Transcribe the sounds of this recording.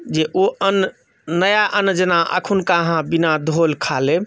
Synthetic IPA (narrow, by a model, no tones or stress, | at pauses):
d͡ʒeʔoən | nəjaʔənd͡ʒənaʔə̰kʰunkaɦãbinad̪ʱolkʰale